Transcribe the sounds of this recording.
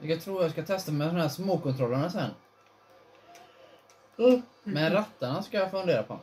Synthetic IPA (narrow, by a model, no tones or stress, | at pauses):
jaɡt̪ʰɾuːɾjaskat̪ʰɛst̪amɛd̪ɔmhæːʂmoːkɔnt̪ʰɾɔlːəɳasɛnː | mɛnɾat̪ːaɳaskajafɵnd̪eːɾapʰɔ